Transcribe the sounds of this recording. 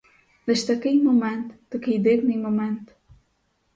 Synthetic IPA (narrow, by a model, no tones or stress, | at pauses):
d̪eʃt̪ɐkejmomẽnt̪u̥d̪̥ɨkejd̪eɡnimomẽnt̪u̥